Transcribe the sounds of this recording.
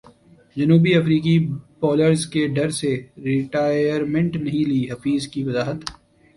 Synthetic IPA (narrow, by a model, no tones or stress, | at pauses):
d͡ʒɐnuːbiɐfɾiːk̬ipɔːləɾzkeɖɐɾseɾɪʈaːjəɾmẽɳʈnɐɦĩliːɦɐfiːzkiʋɐzaːɦət̪